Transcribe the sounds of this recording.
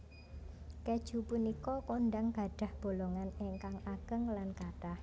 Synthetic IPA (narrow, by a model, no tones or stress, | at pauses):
ked̥ʒ̥ṳpunikɔkonɖaŋɡ̥a̤ɖ̥a̤hb̥o̤loŋaneŋkaŋakəŋlankat̪ah